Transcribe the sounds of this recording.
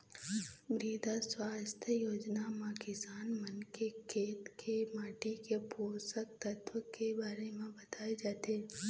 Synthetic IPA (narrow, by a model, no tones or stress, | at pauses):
mɾiːd̪aswaːst̪ʰjəjoːd͡ʒnamakɪsaːnmənkekʰeːt̪kʰemaːʈikepoːsək̚t̪ɐt̪ʋəkebaːɾemẽbɐt̪aːed͡ʒaːt̪eː